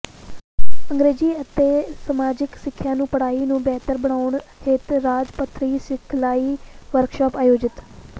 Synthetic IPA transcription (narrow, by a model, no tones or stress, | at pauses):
əŋɡɾeːd͡ʒiːət̪eːsəmaːd͡ʒɪksɪkʰːjãːnũːpəɽaːiːnũːbɛːt̪əɾbəɽ̃aːʊɳheːt̪ɾaːd͡ʒpət̪ʰːɾiːsɪkʰlaːiːʋəɾkʃɔːpaːjoːd͡ʒɪt̪